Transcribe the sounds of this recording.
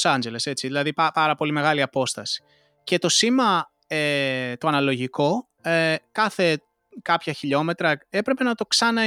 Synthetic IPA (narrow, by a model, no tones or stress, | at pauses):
sɐnd͡ʒele̞se̞t͡siðilɐðipɐpɐɾɐpo̞lime̞ɣɐliɐpo̞st̪ɐsi̥ | ce̞t̪o̞simɐ | et̪oɐnɐlo̞ʝiko̞ | ekɐθe̞ | kɐpçɐçiʎo̞me̞t̪ɾɐe̞pɾe̞pe̞nɐt̪o̞ksɐnɐ